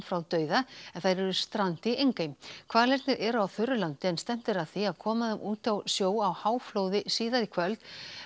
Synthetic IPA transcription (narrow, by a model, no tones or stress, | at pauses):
fɾawt̪œːɥðaɛnθajɾɛɾʏst̪ɾant̪ɪʔejŋkajmkʰv̥aːðlɛɾt̪nɪɾʔɛɾʏawθʏɾːʏlant̪ɪɛnst̪ɛm̥t̪ɪɾaðθiaðkʰɔːmaðɛmʔuːt̪awsjoːwawhaːwfloːwðɪsiːðaɾikʰvœlt̪